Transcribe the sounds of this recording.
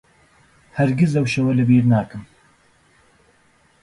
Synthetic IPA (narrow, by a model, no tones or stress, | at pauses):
hɐɾɡɪzɐwʃɐwɐlɨbiːɾnaːkɨm